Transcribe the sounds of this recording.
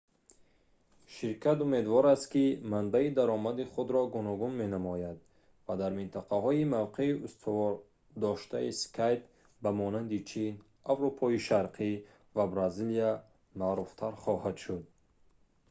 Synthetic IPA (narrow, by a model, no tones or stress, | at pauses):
ʃiɾkʰat̪ume̞d̪vɔɾast̪kimanbaid̪aɾɔmad̪iχud̪ɾɔɡunɔɡunme̞namɔjad̪ | vad̪aɾmint̪ʰaqʰahɔimavqʰe̞iust̪ʰɔvɔɾ | d̪ɔʃt̪ʰaiskʰajp̚ | bamɔnand̪it͡ʃʰin | avɾupʰɔiʃaɾqʰi | vabɾazilia | maɾuft̪ʰaɾχɔhad̪ʃud̪̚